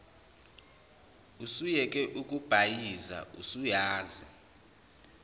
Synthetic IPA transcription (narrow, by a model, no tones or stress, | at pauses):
usujɛkʼɛʔukʼub̥ʱajiza̰ṵsujaːzi